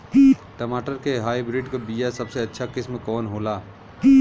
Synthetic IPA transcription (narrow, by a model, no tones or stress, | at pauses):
ʈəmaːʈəɾkeɦaːibɾiɖkebijasəbseɐtːʃʰakɪsmekɔːnɦoːlaː